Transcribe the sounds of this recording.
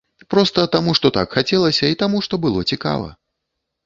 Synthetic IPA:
pɾɔst̪ɐt̪amuʂt̪ɔt̪akxat͡sʲɛlˠɐsʲɐit̪amuʂt̪ɔbɨlˠɔt͡sʲika̰vɐ̰

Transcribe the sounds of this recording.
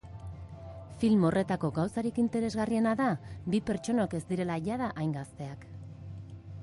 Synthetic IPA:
filmo̞re̞t̪ako̞ɡawsaɾikint̪e̞ɾe̞zɣarie̞naðabipe̞ɾt͡ʃo̞noke̞zd̪iɾe̞laʝaðaʔajŋɡast̪e̞ak

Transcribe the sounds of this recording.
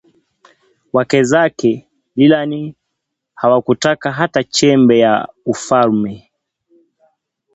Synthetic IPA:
wakɛzakɛ | lilani | hawakutakaɦatat͡ʃɛmbɛjaufalmɛ

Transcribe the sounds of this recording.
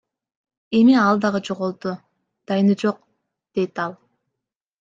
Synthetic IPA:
e̞miɑlˠd̪ɑʁɯd͡ʒo̞ʁolˠd̪u | d̪̥ɑjnɯd͡ʒo̞q̚ | d̪̥e̞jt̪ɑlˠ

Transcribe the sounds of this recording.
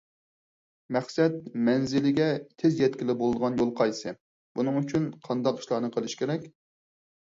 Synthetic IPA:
mɛχsɛt̪̚mɛnzɪlɪɡʲɛt̪ʰɪzjɛt̪̚kʲɪlɪbolˠɨd̪əʁɑnjolˠqʰɑjsɨ | b̥unɨŋyt͡ʃʰynqʰɑnd̪ɑqi̥ʃlˠɑːnɨqʰəlˠɨʃkʲʰeɾɛkʲ

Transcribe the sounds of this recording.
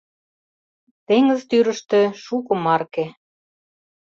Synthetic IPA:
t̪eŋə̆zt̪yɾə̆ʃt̪ĕʃukɤ̆mɑrke

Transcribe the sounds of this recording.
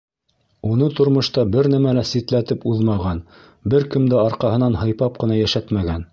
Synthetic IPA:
unɤt̪ŏɾmŏʃt̪ɑbɘɾnæmælæsit̪læt̪ɘpuðmɑʁɑn | bɘɾkɘ̆md̪ɘɑɾqɑɦɤ̆nɑnhɤ̆jpɑp̚qɤ̆nɑjæʃæt̪mæɡæn

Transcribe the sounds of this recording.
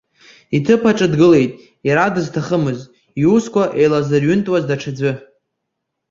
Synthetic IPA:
itʰɨpʰaʈ͡ʂʼɨdɡɨle̞jtʼ | jaɾadɨztʰaχəmɨzʼ | iuskʷʰaʔejlazɨrɥʏntʼwazdaʈ͡ʂʰad͡zʷɨ

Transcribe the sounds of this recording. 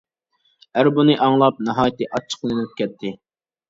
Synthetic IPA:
æɾbunɨʔɑŋlˠɑp̚nɑɦɑːjt̪ɨʔɑt͡ʃʰːə̥qlˠɨnɨlp̚kʲʰɛt̪ʰːɪ

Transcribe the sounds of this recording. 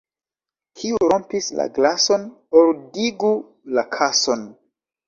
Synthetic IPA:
kʰiuɾompisla̰ɡlaso̞n | oldiɡu | lakʰason

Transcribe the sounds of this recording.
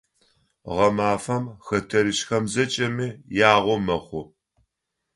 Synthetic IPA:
ʁɐmaːfɐmxɐtʰɐɾɨɕxɐmzɐt͡ʃʼɐmiːjaːʁʷɔmɐχʷʊ

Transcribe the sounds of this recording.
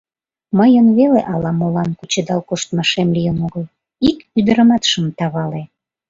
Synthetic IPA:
məjənβeleʔɑlɑmolɑnkut͡ɕed̪ɑlkoʃt̪mɑʃemlijənoɣəl | ikyd̪əɾəmɑt̪ʃəmt̪ɑβɑle

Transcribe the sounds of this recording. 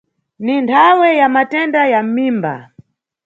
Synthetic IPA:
nintʰawɛjamatɛndajam̩miːmba̰

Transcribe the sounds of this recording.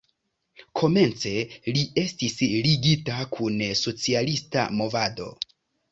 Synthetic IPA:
kʰo̞me̞nt͡se̞lie̞stisliɡitakʰunso̞t͡sialista̰mo̞vado̞̰

